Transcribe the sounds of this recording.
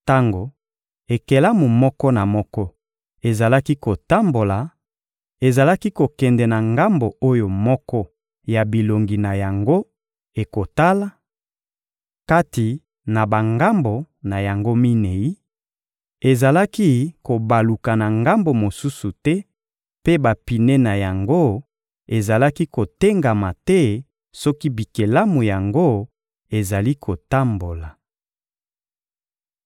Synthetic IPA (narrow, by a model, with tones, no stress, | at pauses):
ta˦ŋɡo˨ | e˨ke˨la˦mu˨mɔ˦kɔ˦na˨mɔ˦kɔ˦ | e˨za˨la˦ki˦ko˨ta˦mbo˨la˨ | e˨za˨la˦ki˦ko˨kɛ˨ndɛ˨na˨ŋɡa˦mbo˨o˦jo˨mɔ˦kɔ˦ | ja˨bi˨lo˨ŋɡi˨na˨ja˨ŋɡo˦ | e˨ko˨ta˦la˦ | ka˦ti˨ | na˨ba˨ŋɡa˦mbo˨ | na˨ja˨ŋɡo˦mi˦ne˨i˦ | e˨za˨la˦ki˦ko˨ba˨lu˨ka˨na˨ŋɡa˦mbo˨mo˨su˦su˨tɛ˦ | pe˦ba˨pi˨ne˦na˨ja˨ŋɡo˦ | e˨za˨la˦ki˦ko˨te˦ŋɡa˨ma˨tɛ˦ | sɔ˦ki˦bi˨ke˨la˦mu˨ja˨ŋɡo˦ | e˨za˨li˦kʰo˨ta˦mbo˨la˨